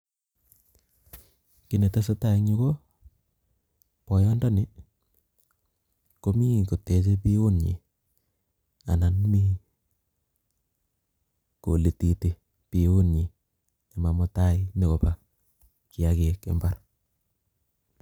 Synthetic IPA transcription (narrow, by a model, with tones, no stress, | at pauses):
ki˨ne˨ta˦se˦ta˦i˦ŋɲi˦ko˦ | pɔ˨jɔ˦ndɔ˦ni˦ | ko˦mi˦ko˨te˨˦t͡ʃe˦pi˦o˦nɲḭ˨ | a̰˨na˨n˦mi˦ | ko˨le˨ti˨ti˨ | pi˨o˦nɲi˨ | a˨ma˨mɔ˦ta˦i˦ni˨ko˨pa˨ | ki˨a˨ke˨kḛ˨mba˦ɾ